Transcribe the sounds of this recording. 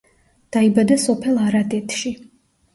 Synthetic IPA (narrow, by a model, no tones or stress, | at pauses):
d̪̥aibad̪asɔpʰɛlˠaɾat̪ʼɛt̪ʰʃi